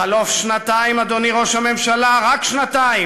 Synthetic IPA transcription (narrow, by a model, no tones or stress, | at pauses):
alofʃnat̪aimad̪o̞niʁo̞ʃhame̞mʃalaʁakʃnat̪ai